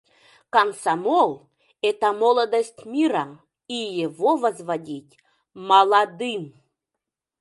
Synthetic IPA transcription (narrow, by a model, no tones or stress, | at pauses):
kamsamolˠ | ɛt̪ɐmolˠəd̪əsʲtʲmʲiɾa | ijevovazvadʲitʲ | mɐlˠad̪ɨm